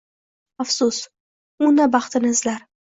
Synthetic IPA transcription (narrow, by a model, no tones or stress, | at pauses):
afsʊs | ʊnabɑχt̪ɪnɪɪzlaɾ